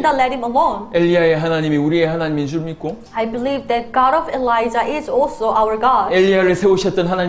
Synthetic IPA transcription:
ndalɛɾ̚hɪ̃məlõneʎːiaeɦanaɲimiuɾieɦanaɲimit͡ɕuɾmik͈o | ajbilivdɛt̚ɡ̥ɑɾʌvelajd͡ʒaʔɪzɔlˠsoʔawə˞ɡɑdeʎːiaɾɯɭsʰe̞oɕʰʌt͈ʌnɦana

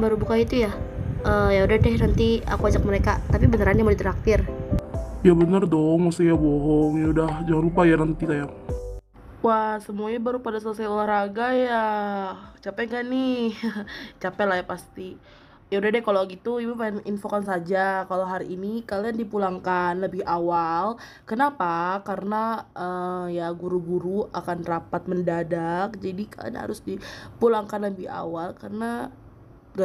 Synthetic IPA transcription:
baɾubukait̪ujaʔəːjaudadɛnant̪iakuad͡ʒak̚məɾekat̪apibənəɾanjamodit̪əɾak̚t̪ɪr | jabənərdoŋmast̪ijaboɦɔŋjaudahd͡ʒaŋanlupajanant̪isajaŋ | wahsəmuaɲabaɾupadasalasajulahraɡaja | t͡ʃapɛŋɡani | t͡ʃapɛlahjapast̪i | jaudadakaloɡit̪uibupaɪninfokansad͡ʒakaloɦaɾiinikaliandipulaŋkanləbɪhawal | kənapakaɾənaʔəjaɡuɾuɡuɾuakanrapat̪̚məndadak̚d͡ʒadika̰la̰nha̰ɾʊsdipulaŋkanləbɪha̰walkarəna | ŋɡa

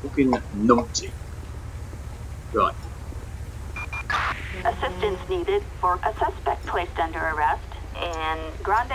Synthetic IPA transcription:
ʊkɪ̃nnɔ̃ŋtʰi | ɹa̰ɪt̚ | ʔɨsɪstɨ̃nsniɾɪd̥fə˞ʔəsʌspɛk̚pʰl̥eɪstʌ̃ndə˞ə˞ɛstɨ̃nɡɹãnd

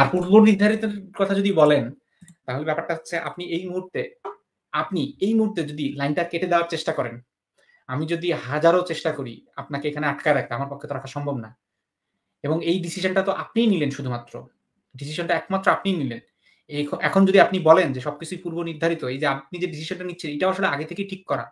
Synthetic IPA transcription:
aɾpuɾboniɾd̪ʱaɾit̪eɾkɔt̪ʰad͡ʑod̪ibɔlen | t̪aɦolebɛpaɾʈaɦot͡ɕʰeʔa̰pniejmuɦuɾt̪e | apniejmuɦuɾt̪ed͡ʑod̪ilajnʈaɾkeʈʰed̪eoaɾt͡ɕeʃʈakɔɾen | amid͡ʑod̪ihad͡ʑaɾot͡ɕeʃʈakoɾia̰pnakeekʰaneaʈ̚kaeɾakʰt̪eamaɾpokʰːet̪oɾakʰaɾʃɔmbʱobna | eboŋejɖisiʃonʈat̪oʔapnijnilenʃud̪ʱumat̪ːɾo̰ | ɖis̬iʃonʈaɛkmat̪ːɾoapnijnilen | ekʰoʔɛkʰond͡ʑod̪iapnibɔlend͡ʑeʃɔb̚kit͡ɕʰuipuɾboniɾd̪ʱaɾit̪oejd͡ʑeap̚nid͡ʑeɖis̬iʃonʈanitːɕʰineʈaaʃoleaɡet̪ʰekeʈʰikːɔɾa̰

